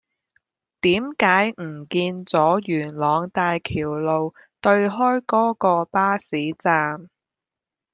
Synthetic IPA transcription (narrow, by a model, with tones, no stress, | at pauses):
t̪iː˨˥mkaː˨˥jm̩˨˩kiː˧nt͡sɔː˨˥jyː˨˩nlɔː˨˧ŋt̪aː˧jkʰiː˨˩wlo˨w | t̪ɵ˧ɥɦɔː˥jkɔː˥kɔː˧paː˥siː˨˥t͡saː˧m